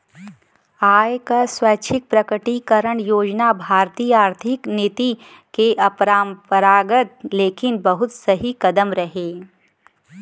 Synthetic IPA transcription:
aːjkaswaːt͡ʃʰɪk̚pɾɐkəʈikəɾəɳ̃joːd͡ʒnabʱaːɾt̪iːjaːɾt̪ʰɪknɪt̪i | keʔɐpɾaːmpəɾaːɡət̪leːkɪnbɐɦʊt̪sɐɦikɐd̪əmɾɐɦeː

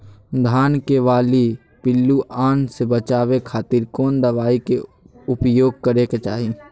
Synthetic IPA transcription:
d̪ʱaːnkeʋaːli | pɪlːuʔaːnsebət͡ʃaːwekʰaːt̪iːɾkoːnd̪əʋaːike | ʊpjoːɡ̚kəɾeket͡ʃaːɦi

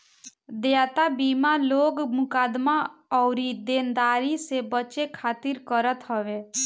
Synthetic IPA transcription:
d̪eat̪abimaloːɡmʊkaːd̪maɔʊɾid̪eːnd̪aːɾisebət͡ʃekʰaːt̪iɾkəɾət̪ɦəʋe

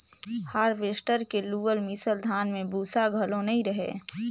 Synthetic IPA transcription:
haːɾʋeːsʈəɾkeluːʋəlmisəld̪ʱaːnmẽbuːsaɡʱəlõnɐɦĩɾəɦḛː

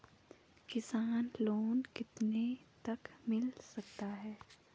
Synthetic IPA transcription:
kɪsaːnloːnkɪt̪net̪ɐkmɪlsɐk̚t̪aɦɛː

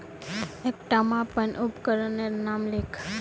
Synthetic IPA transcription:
ek̚ʈəmãpənʔupkəɾəneɾnamlekʰ

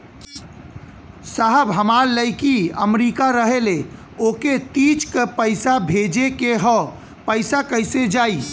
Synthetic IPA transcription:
saɦəbɦəmaːɾləɪkiəmɾiːkaɾəɦele | oːket̪it͡ʃkepəɪsabʱed͡ʒekeɦɔ | pəɪsakəɪsed͡ʒaːi

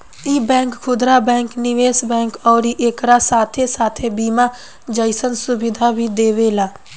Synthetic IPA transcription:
ibɛ̃ːŋkkʰʊd̪ɾabɛ̃ːŋknɪʋeːsbɛ̃ːŋkɔːɾiʔeːkɾasaːt̪ʰesaːt̪ʰebiːma | d͡ʒəɪsənsʊbɪd̪ʱabʱid̪eːʋeːlaː

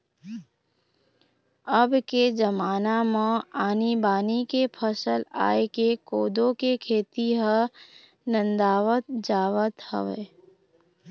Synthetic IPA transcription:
əbked͡ʒɐmaːnamãaːnibaːnikepʰəsəla̰ːekekoːd̪õkekʰeːt̪iɦə | nə̃nd̪aːʋət̪̚d͡ʒaːʋət̪hə̰ʋḛː

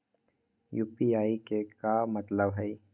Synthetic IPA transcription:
juːpiaːikekamɐt̪ləbɦɛi

